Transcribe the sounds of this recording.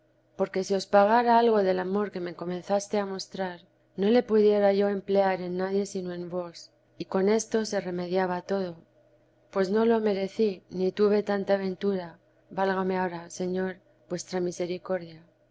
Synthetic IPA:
po̞ɾke̞sio̞spaɣ̞aɾaalɣ̞o̞ðe̞lamo̞ɾke̞me̞ko̞mẽ̞nθast̪e̞amo̞st̪ɾaɾ | no̞le̞puðje̞ɾaʝo̞e̞mple̞aɾe̞nːaðje̞sino̞e̞mbo̞s | iko̞ne̞st̪o̞se̞re̞me̞ðjaβat̪o̞ðo̞ | pwe̞sno̞lome̞ɾe̞θinit̪uβe̞t̪ant̪aːβe̞nt̪uɾa | balɣame̞aoɾase̞ɲo̞ɾ | bwe̞st̪ɾamise̞ɾiko̞ɾðja

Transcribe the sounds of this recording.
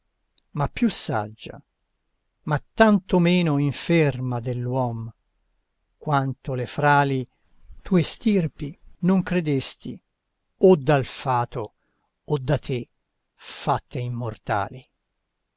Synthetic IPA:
mapːjusːa̰d͡ʒːa̰ | mat̪ːant̪omeːnoiɱfermad̪elːwɔm | kwant̪olefɾaːli | t̪ʰuːest̪irpinoŋkɾed̪est̪i | od̪ːalfaːt̪oː | d̪ːat̪ʰe | fat̪ʰːeimːort̪a̰ːli

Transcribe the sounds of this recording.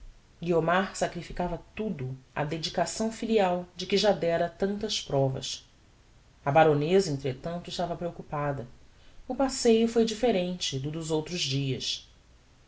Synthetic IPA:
ɡiomaɾsakɾifikavɐt̪ud̪ʊɐ̰d̪ed͡ʒikasɐ̃w̃filiawd͡ʒɪkɪʒad̪ɛɾɐt̪ɐ̃nt̪ɐspɾɔvɐ̰s | ɐbaɾonezɐẽnt̪ɾet̪ɐ̃nt̪ʊɪʃt̪avɐpɾeokupad̪ɐʊpasejʊfojd͡ʒifeɾẽnt͡ʃɪd̪ʊd̪ʊzowt̪ɾʊzd͡ʒiɐs

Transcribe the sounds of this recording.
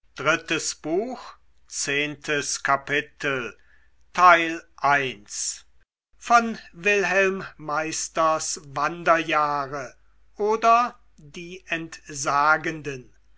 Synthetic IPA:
d̥ʁɪtəsb̥uːx | t͡seːntʰəskʰapɪtʰəl̩ | tʰaɪlʔaɪns | fɔnvɪlɦɛlmːaɪstɐsvandɐjaːʁə | ʔoːdɐ | diːɛntzaːɡəndən

